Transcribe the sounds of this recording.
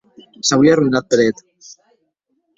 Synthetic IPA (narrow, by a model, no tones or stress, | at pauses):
sawiaruinat̪̚peɾet̪